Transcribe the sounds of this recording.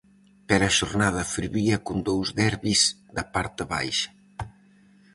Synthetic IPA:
peɾaʃoɾnaðɐfiɾβiɐkund̪owzðɛɾβiz | d̪ɐpaɾt̪ɪβa̰jʃɐ̥

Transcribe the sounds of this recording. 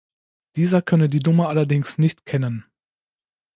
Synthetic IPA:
d̥iːzɐkʰœnədiːdʊməʔalɐdɪŋsnɪçtkʰɛnən

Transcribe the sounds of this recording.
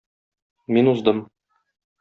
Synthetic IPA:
minuzd̪ɤm

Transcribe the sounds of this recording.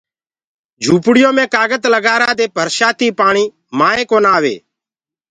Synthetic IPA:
d͡ʒʱuːpɽɪjõːmẽːkaːɡət̪ləɡaːɾaːd̪eːpəɾsaːt̪iːpaːɳ̃iː | maːẽːkoːnaːʋḛː

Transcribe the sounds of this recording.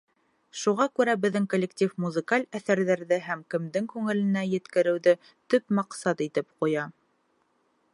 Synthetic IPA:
ʃuʁɑkʉɾæbɘ̆ðːɘŋkolʲːektʲifmuzɨ̆kalʲæθæɾðæɾðɘɦæmkɘ̆md̪ɘŋkʉŋɘ̆lɘ̆næjɘ̆t̪kɘ̆ɾɘ̆wðɘ | t̪ɵpmɑqsɑt̪it̪ɘpqujɑ

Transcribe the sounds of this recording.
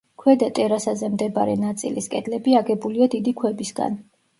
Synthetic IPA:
kʰwɛd̪at̪ʼɛɾasazɛmd̪ɛbaɾɛnat̪sʼḭlḭskʼɛd̪lɛbiaɡɛbuliad̪id̪ikʰwɛbisɡa̰n

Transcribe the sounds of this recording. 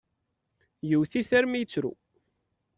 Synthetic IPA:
jəwθisæɾmijət͡sːɾṵ

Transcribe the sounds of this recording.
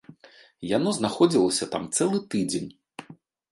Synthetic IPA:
janɔznaxɔd͡zʲilˠɐsʲɐt̪a̰mt̪sɛlˠɨt̪ɨd͡zʲenʲ

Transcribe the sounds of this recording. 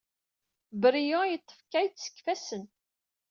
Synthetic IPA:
bəɾijojət̪ˤːə̥fkæjt͡sːsə̥kːfæsən

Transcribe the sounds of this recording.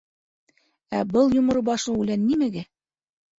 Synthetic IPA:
æbɤlˠjŏmɤ̆ɾɤbɑʃlˠɤʉlænːimæɡæ

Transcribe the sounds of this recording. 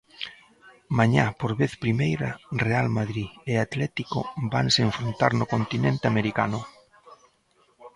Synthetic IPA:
maɲapoɾβeθpɾimejɾarealmaðɾieat̪lɛt̪iko̰baŋseɱfɾont̪aɾnʊkont̪inẽnt̪ɪameɾika̰nʊ

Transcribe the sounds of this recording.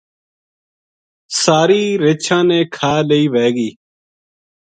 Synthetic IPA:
saːɾiːɾeːt͡ʃʰãːnẽːkʰaːləiːʋeːɡiː

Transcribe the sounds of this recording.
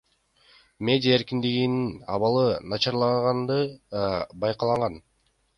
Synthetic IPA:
mʲe̞dʲiae̞ɾkind̪iɡininɑ̰βɑlˠɯnɑt͡ʃɑɾlˠɑɴʁɑnd̪ɯ | bɑjqɑlˠɑɴʁɑn

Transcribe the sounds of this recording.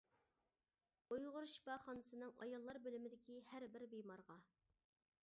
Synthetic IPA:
ojʁʊɾʃi̥pɑχɑnɨsɨnɨŋɑ̰jɑlˠːɑɾbølymɪd̪ɪkʲihæɾbɪɾbejmɑɾʁɑ

